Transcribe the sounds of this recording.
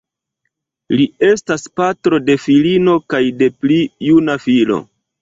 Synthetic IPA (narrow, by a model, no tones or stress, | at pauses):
lie̞staspatɾo̞de̞filino̞kajde̞plijunafilo̞̰